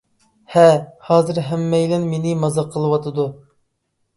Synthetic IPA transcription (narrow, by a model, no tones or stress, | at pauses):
hɛhɑːzɨɾɦɛmːɛjlɪnmenɪmɑzɑqʰːəlˠɨwɑt̪ʰɨd̪u